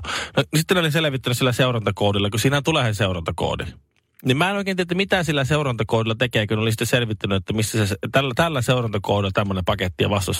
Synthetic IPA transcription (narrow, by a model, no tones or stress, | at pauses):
nosit̪ːenoliseleʋit̪ːænysilːæseurɑnt̪ɑkoˑːdilːɑkusiːnæt̪ulesenseˑurɑnt̪ɑko̰ːdi | nimæˑenoikeːˑniːæt̪ːˑmit̪æsilːæseurɑnt̪ɑkoˑːdilːɑt̪ekeːkunolisi̥t̪ːeselʋit̪ːænyet̪ːæmist̪æsest̪ælːæt̪ælːæseˑurɑnt̪ɑkoˑːdilːˑɑt̪æmːonempɑket̪ːijɑ̰ʋɑst̪ɑs